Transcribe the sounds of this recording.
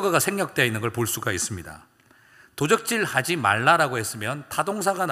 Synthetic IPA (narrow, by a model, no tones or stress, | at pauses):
ɡaɡasʰe̞ŋɲʌk̚t͈e̞inːɯnɡʌɭpoɭs͈uɡais͈ɯmɲida̰ | tod͡ʑʌk̚t͡ɕ͈iɭhad͡ʑima̰ɭːaɾaɡoɦhe̞s͈ɯmjʌntʰadoŋs̬ʰaɡan